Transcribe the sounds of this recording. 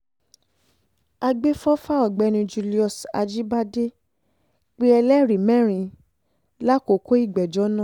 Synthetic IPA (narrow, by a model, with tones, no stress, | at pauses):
a˧ɡ͡be˦fɔ˦fa˦ɔ˨ɡ͡bɛ˨˧˦ñĩ˧d͡ʒu˧li˦ɔ˧˨sa̰˧d͡ʒi˦ba˦de˦ | k͡pe˦ɛ˧lɛ˦˨ɾi˨mɛ̃˦˨ɾ̃ĩ˨˧ | la˦ko˨ko˦i˦˨ɡ͡bɛ˨d͡ʒɔ˨˦nã˦˨